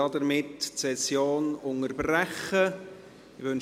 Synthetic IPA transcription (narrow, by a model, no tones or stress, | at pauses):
ɑd̪əɾmɪttsɛsjoːnʊŋəɾb̥ræχə | ɪʋøn